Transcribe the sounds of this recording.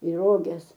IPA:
iː ˈroːɡʲɛs

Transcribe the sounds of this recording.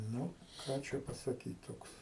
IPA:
ˈnʊ ˈkɑː t͡ʃʲɛ pɐsɐˈkʲiːt ˈtoːks

